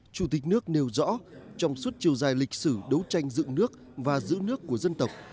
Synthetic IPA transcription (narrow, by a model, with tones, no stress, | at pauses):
t͡ɕu˧˩t̪i˨˩k̟̚nɨ˦˥ək̚ne˨˩wzɔ̰˧˥t͡ɕɔ˧wŋ͡mswu˦˥t̚t͡ɕi˨˩əwzaː˨˩jlï˨˩k̟̚sɨ˧˩ɗə˨˦wt͡ɕa˧jŋ̟zɨ̰˧˨ŋnɨ˦˥ək̚ | vaː˨˩zɨ̰˧˥nɨ˦˥əkːu˧˩əzə˧nt̪ə˨˩wk͡p̚